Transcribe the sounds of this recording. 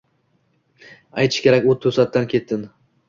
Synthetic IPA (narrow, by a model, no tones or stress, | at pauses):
ajt̪ʰɪ̥ʃkʲʰe̞ɾakʲot̪ʰɵsat̪ːankʲʰe̞t̪ːɪn